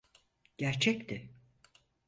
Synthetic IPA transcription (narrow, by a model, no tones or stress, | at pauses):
ɟ̥æɾt͡ʃʰɛct̪ʰɪ